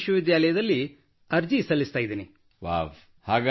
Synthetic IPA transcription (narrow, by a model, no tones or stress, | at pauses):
ʃɐʋid̪jaːlɐjɐd̪ɐlːi | ɐɾd͡ʒisɐlːist̪aːjid̪iːni | ʋa̰ʋ | haːɡ